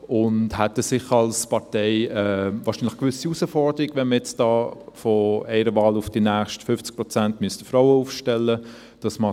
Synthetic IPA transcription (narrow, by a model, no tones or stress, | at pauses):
ʊndhɛtəsɪχɑlspɑɾtɛɪɛːvɑːɾʃiːnlɪχkʋʏsiusəfɔɾd̥̪əɾiɡvɛnməjɛt͡sd̥ɑːfɔɛɪɾəvɑːlʊfd̥inæːχʃtfʏft͡sk̚pɾɔt͡sæntmystəfɾoʊəuːfʃtɛlːə | d̥ɑsmɑ